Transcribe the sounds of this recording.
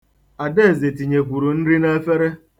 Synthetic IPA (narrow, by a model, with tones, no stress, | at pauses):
a˨de˦e˦˨ze˨ti˨ɲe˨kʷu˨ɾu˨n̩˦ɾi˦ne˦e˦fe˦ɾe˦